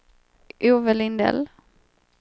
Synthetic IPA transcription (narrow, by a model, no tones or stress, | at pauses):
ʔuːvəlɪnd̪ɛ̰l